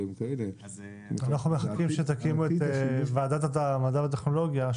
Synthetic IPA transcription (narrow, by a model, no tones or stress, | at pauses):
imkele | anaχnumeχakimʃet̪akimuet̪evaːdat̪at̪amadavat̪̬eχno̞lo̞ɡja